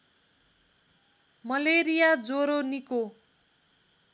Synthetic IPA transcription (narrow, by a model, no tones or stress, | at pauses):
mʌleɾijad͡zoɾoniko